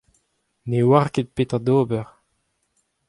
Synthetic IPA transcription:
newaʁket̪̚pet̪ad̪oːbəʁ

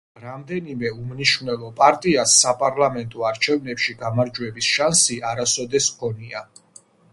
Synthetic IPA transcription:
ɾamd̪ɛnimɛumniʃnɛlˠɔpʼaɾt̪ʼiasːapʼaɾlˠamɛnt̪ʼɔaɾt͡ʃʰɛvnɛpʃiɡamaɾd͡ʒwɛbisʃansiaɾasɔd̪ɛskʰɔnia

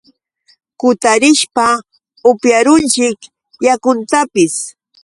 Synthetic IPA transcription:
kʊt̪aɾɪʃpa | ʊpjaɾʊnt͡ʃɪk | jakʊnt̪apɪs

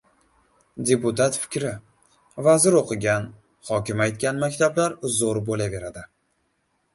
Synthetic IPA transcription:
d̪ʲe̞pʊt̪at̪fɪ̥kʲɾɪ | vazɪɾoqʰɨɡʲan | hɒkʲɪmajt̪̚kʲanmakʲt̪ʰablaɾzoɾbolave̞ɾad̪ɪ

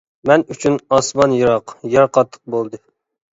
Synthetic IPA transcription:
mɛnyt͡ʃʰynɑsmɑnjɨɾɑqjɑɾqʰɑt̪ʰːə̥q̚bolˠd̪ɨ

